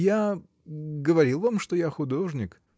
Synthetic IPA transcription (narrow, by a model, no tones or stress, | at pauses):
ja | ɡəvɐɾʲilˠvamʂt̪ojaxʊd̪o̞ʐnʲɪk